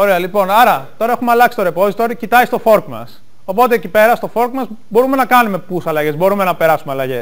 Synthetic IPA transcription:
o̞ɾeɐlipo̞nɐɾɐt̪o̞ɾɐe̞xumeɐlɐksi̥t̪oɾe̞po̞zit̪o̞ɾicit̪ɐjst̪o̞fo̞ɾkmɐ̰s | o̞po̞t̪eːcipe̞ɾɐst̪o̞fo̞ɾkmɐzbo̞ɾume̞nɐkɐnume̞pusɐlɐʝe̞zbo̞ɾume̞nɐpe̞ɾɐsumeɐlɐʝes

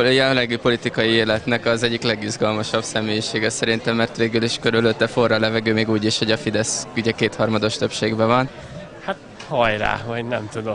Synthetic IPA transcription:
olɛjɛllɛɡipo̞lit̪ikɒjieːlɛt̪nɛkɒzɛɟːiklɛɡizɡɒlmɒʃɒbsɛmeːjiʃeːɡɛsɛɾint̪ɛmːɛrt̪ʋeːɡyliʃkø̞ɾyløt̪ːɛfo̞rːɒlɛvɛɡøːmeːɡuːɟiʃho̞ɟɒfid̪ɛskyɟɛkeːt̪hɒrmɒd̪o̞ʃt̪ø̞pʃeːɡbɛvɒn | hat̪ | hɒjɾa̰ːvɒɟnɛmt̪ud̪o

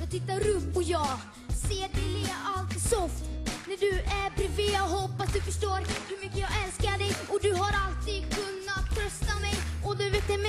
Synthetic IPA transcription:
jɑːɡt̪ʰɪt̪ːaɾɵpːɔjɑː | seːɖɪlɪalt̪ɪsɔft̪næɖɵʔæɾpɾɪveɔɦɔpːasd̪ɵfœʂʈoːɾhɵɾmʏkːəjɑːɡɛlskaɖɛjɔd̪ɵɦaɾalt̪iːd̪kʰɵnːat̪ʰːɾœst̪amɛjɔd̪ɵveːt̪ːɛm

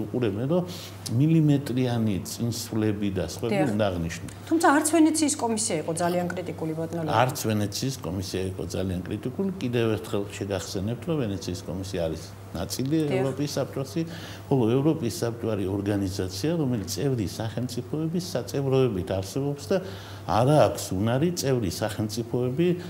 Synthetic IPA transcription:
uqʼuɾɛbɛnɾɔ | milimɛt̪ʼɾianit̪sʼinsvlɛbid̪asχʼwɛbiund̪aːʁniʃnṵt̪ʰumt̪sʰaːɾt̪sʰvɛnɛt̪sʰiːskʼɔmisiaiqʼɔd̪zaliankʼɾit̪ʼikʼulipʼɔt̪ʼnɔlɔaɾt̪sʰvɛnɛt̪sʰiːskʼɔmisiaiqʼɔ̰d̪zaliankʼɾit̪ʼikʼulikʼid̪ɛvɛɾt̪ʰχɛlˠʃɛɡaχsɛnɛp̚t̪ʰɾɔvɛnɛt̪sʰiːskʼɔmisiaːɾis | nat̪sʼiliɛɾɔpʼisːap̚t͡ʃʼɔsi | χɔlˠɔɛvɾɔpʼisːap̚t͡ʃʼɔaɾiɔɾɡanizat̪sʰiaɾɔmɛlit̪sʼɛvɾisaχɛlmt̪sʼipʰɔɛbisːat̪sʼɛvɾɔɛbit̪ʰaɾsɛbɔpsd̪a | a̰ɾaːkʷʰsunaɾit̪sʼɛvɾisaχɛlmt̪sʼipʰɔɛbi

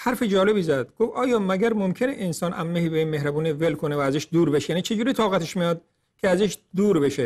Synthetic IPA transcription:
hæɾfed͡ʒɒːle̞biːzæd̪̥̚ɡ̥ofɒːjɒːmæɡæɾmomkʰe̞neʔensɒːnʔæ̰mːehiːbeiːnmehɾæbuːnivelkʰo̞nevæːzeʃd̪uːɾbe̞ʃjæːniːt͡ʃʰe̞d͡ʒuːɾit̪ʰɒːɣæt̪ʰeʃmijɒːd̪̚ | kʰeæzeʃd̪uːɾbe̞ʃe

